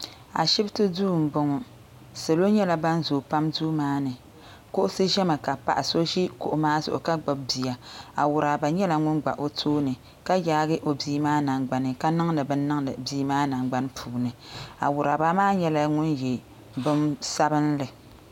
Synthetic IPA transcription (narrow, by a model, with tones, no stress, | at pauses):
a̰˨ʃɪ˦btɨ˦duː˦˨m̩˨bʊ˦ŋɔ˨ | se˨lo˦ɲɛ˦la˦ba˦n˦zoː˨pa˦mduː˦maː˦nɨ˨ | ko˦ʔʊ˦sɨ˦ʒɛ˦ma˨ka˨pa̰˨ʔɪ˨so˦ʒi˦ko̰˨ʔʊ˨˦maː˦zʊ̰˨ʔʊ̰˨ka˦ɡ͡ba˨b̚bi˨ja˨a˨wʊ˨ɾa˨ba˨ɲɛ˦la˦ŋʊ˦nɡ͡ba̰˨ʔo˦tʰoː˦nɨ˨ | ka˦jaː˦ɡɨ˦ʔo˨biː˦maː˦na˨ŋɡ͡ba˦nɨ˨ka˦nɨ˦ŋ˦nɨ˨bɨ˦nː˦ɨ˦ŋ˦ɨ˨biː˦maː˦na˨ŋɡ͡ba˦n˦pʰuː˨nɨ˨a̰˨wʊ˨ɾa˨ba˨maː˦ɲɛ˦la˦ŋʊ˦nje˨ | bɨ˦msa˦bɨ˦n˦lɨ˨